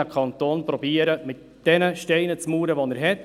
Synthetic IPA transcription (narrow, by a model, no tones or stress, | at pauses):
əkʰɑnt̪oːnpɾɔbiəɾəmɪt̚ | d̥ɛnəʃtɛɪnət͡smuːɾəʋɔnɛɾɦɛt